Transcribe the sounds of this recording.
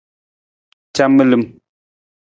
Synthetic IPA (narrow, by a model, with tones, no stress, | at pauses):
t͡ʃa˦mːə˦lɨ˨m